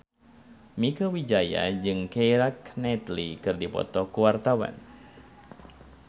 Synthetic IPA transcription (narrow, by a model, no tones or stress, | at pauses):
mikəwid͡ʒaja̰d͡ʒɨŋkejɾaknɛt̪likɨrdipɔ̰t̪ɔkuwart̪awa̰n